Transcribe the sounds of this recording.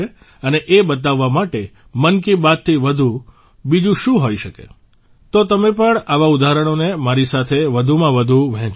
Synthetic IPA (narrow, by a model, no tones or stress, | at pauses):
e | əneʔebət̪̬aʋːamaʈe | mənkibat̪ʰːiʋəd̪ʱu | bid͡ʒũʃũɦojʃəkḛ | t̪ot̪əmepəɳaʋaud̪ʱaɦɾəɽ̃onemaɾisat̪ʰeʋəd̪ʱumãʋəd̪ʱuʋɛ̃t͡ʃ